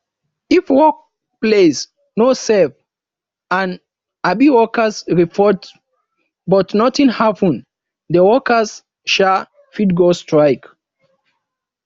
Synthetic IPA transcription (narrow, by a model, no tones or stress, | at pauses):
ifwɔk̚ | ples | nosɛv | ãn | abiwɔkəsɹipʰɔt | bɔtnɔtĩnhapə̃n | dəwɔkəs | ʃal | fitɡostɹajk